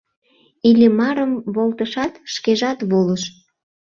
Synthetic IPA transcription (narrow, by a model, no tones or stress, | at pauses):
ilʲemɑɾəmβolt̪əʃɑt̪ʃkeʒɑt̪βoləʃ